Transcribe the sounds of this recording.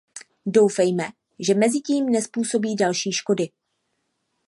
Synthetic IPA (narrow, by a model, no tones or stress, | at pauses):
dowfɛjmɛ | ʒɛmɛzɪciːmnɛspuːso̞biːdalʃiːʃko̞dɪ